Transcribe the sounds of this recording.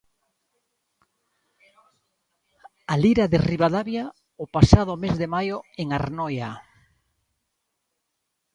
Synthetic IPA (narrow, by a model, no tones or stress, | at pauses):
aliɾaðeriβaðaβja | opasaðʊmezðemajoeŋaɾnɔja